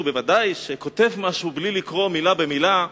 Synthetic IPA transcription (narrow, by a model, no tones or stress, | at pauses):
ube̞vadajʃe̞ko̞te̞vmaʃublilikʁo̞milabe̞mila